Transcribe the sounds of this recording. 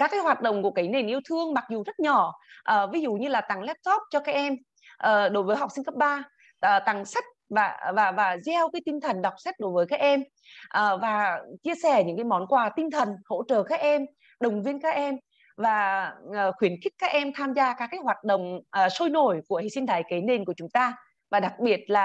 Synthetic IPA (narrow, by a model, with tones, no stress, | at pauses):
kaː˦˥kːaː˨˦jɦwaː˨˩t̚ɗə̰˧˨ŋ͡mku˧˩əkaː˨˦jne˨˩nʔi˧əwt̪ʰɨ˧əŋma˨˩k̚zu˨˩zə˦˥t̚ɲɔ˧˩ʔəː˨˩vi˨˦zṵ˧˨ɲɨ˧laː˨˩t̪a˨˩ŋlɛ˦˥p̚t̪ʰɔ˦˥p̚t͡ɕɔ˧kaː˦˥k̚ʔɛ˧m | ʔəː˨˩ɗo˨˦jvəː˨˦jɦa˨˩wk͡p̚sï˧ŋ̟kə˦˥p̚ɓaː˧ | ʔəː˨˩t̪a˨˩ŋsa˦˥k̚vaː˨˩vaː˨˩vaː˨˩zɛ˧wkaː˨˦jt̪i˧nt̪ʰə˨˩nɗa˨˩wk͡p̚sa˦˥t̟̚ɗo˨˦jvəː˨˦jkaː˦˥k̚ʔɛ˧m | ʔəː˨˩vaː˨˩t͡ɕi˧əsɛ˧˩ɲɨ̰˧˥ŋka˨˦jmɔ˨˦nkwaː˨˩t̪ï˧ŋt̪ʰə˨˩nho̰˧˥t͡ɕə̰ː˧˨kaː˦˥k̚ʔɛ˧m | ɗə˨˩wŋ͡mvi˧ənkaː˦˥k̚ʔɛ˧m | vaː˨˩ʔəː˨˩xwi˨˦ənxi˦˥k̟̚kaː˦˥k̚ʔɛ˧mt̪ʰaː˧mzaː˧kaː˦˥kːaː˨˦jhwaː˨˩t̚ɗə̰˧˨wŋ͡mʔːso˧jno˧˩jku˧˩əhḛ˧˨si˧ŋt̪aː˧˨˩jke˨˦ne˧nku˧˩ət͡ɕʊ˨˦ŋ͡mt̪aː˧ | vaː˨˩ɗa˨˩k̚ɓi˨˩ət̚laː˨˩